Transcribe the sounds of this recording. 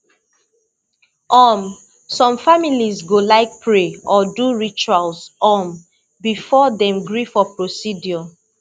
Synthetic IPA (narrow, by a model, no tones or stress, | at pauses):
ɔm | sɔ̃mfamilizɡolaɪk̚pʰɹeɔduɹit͡ʃualsɔm | bifɔdɛ̃mɡɹifɔpɹosidjɔ